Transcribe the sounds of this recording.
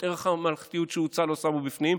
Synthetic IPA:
eʁeχamalχt̪ijut̪ʃeut͡salosabubifnim

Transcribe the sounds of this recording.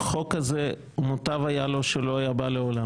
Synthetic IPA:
χo̞kaze | mot̪avajalo̞ʃelo̞ajabaleola

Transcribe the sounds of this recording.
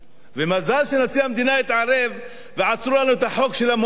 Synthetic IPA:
vemazalʃenasiamd̪inaet̪ʕaɾe̞vː | eʕat͡sɾulanuet̪haħo̞kʃe̞lam

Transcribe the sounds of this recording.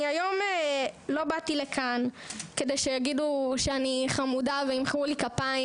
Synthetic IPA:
iajo̞melo̞batilekʰan | ke̞dejʃejaɡiduʃeaniχamudaveimχulikapai

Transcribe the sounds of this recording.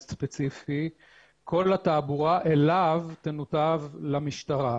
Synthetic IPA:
spet͡sifi | kʰo̞lat̪aːbuʁaʔelavt̪enut̪avlamiʃt̪aʁa

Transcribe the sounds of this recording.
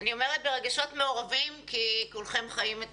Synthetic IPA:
nio̞meʁet̪̚beʁeɡaʃo̞tmeoʁavimkikulχe̞mχajimet

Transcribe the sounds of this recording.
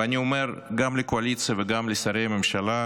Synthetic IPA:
anʲiome̞ɾɡamlekoalit̪sɨjaveɡamlesaɾejamemʃala

